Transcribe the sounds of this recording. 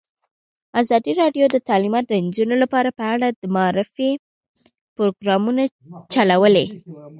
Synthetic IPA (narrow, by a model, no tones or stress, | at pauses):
azɑd̪iɾɑɖjod̪ət̪ɑlimɑt̪̚d̪ənd͡ʒunolapɑɾapəaɽad̪əmaɑɾɪfe | pɾoɡɾɑmuna | t͡ʃalawəle